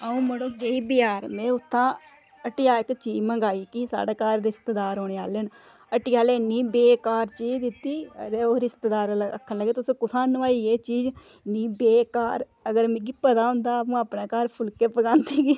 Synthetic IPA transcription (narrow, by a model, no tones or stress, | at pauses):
aũːməɽoːbeːibɪjaːɾmɛ̃ːʊt̪ʰːãː | əʈɪjaːɪkt͡ʃiːd͡ʒməŋɡaːiːkisa̰ːɽeːkaːɾːɪst̪d̪aːɾoːneaːlen | əʈɪjaːleːniːbeːkaːɾt͡ʃiːd͡ʒd̪ɪt̪ːḭːɾeːoːɾɪst̪d̪aːɾləkʰːənləɡeːt̪ʊsĩːkʊsaːnʋaːiːeːt͡ʃiːd͡ʒ | niːbeːkaːɾ | əɡəɾmẽɡiːpəd̪aːɦʊ̃nd̪aːəpũːaːpnaːkaːɾpʰʊlkeːpəɡãːnt̪iːɡiː